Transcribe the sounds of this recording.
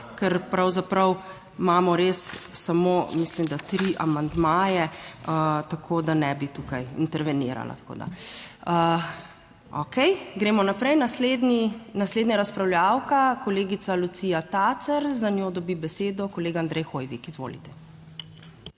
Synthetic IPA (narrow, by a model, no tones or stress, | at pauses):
kɛɾpɾawzapɾɐw | maːmɔɾesːamomislimd̪at̪ɾiʔa̰mand̪maːjɛət̪akʰoːd̪anɛbit̪ukajḭnt̪ɛɾʋɛnḭːɾa̰la̰t̪ḁko̰ːd̪a̰ə | ɔ̰kɛjɡɾeːmɔnapɾɛjnasled̪ninasleːd̪nʲaɾaspɾawljawkakɔleːɡit̪salut̪siːjat̪at̪sɛɾzanjod̪ɔbibɛseːd̪ɔkɔleːɡaand̪ɾʔɛjxoːjʋikizʋo̰lḭt̪ɛ̥